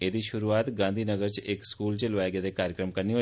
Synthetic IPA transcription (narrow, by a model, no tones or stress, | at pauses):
ed̪iʃʊɾuat̪ɡãnd̪ʱinəɡəɾt͡ʃʰeʔekskult͡ʃʰelʋajɡjat̪ekaɾjəkɾəmkəɾniɦo